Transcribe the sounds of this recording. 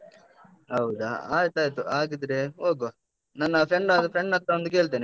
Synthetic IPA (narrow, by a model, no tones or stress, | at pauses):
ɐwd̪aa̰ːjɐt̪aːjt̪ːuʔaːɡid̪ɾeɦoːɡo | nɐnːɐpʰɾeɳɖad̪upʰɾeɳɖɐt̪ːɐond̪uk̬e̞ːɭt̪̬eːne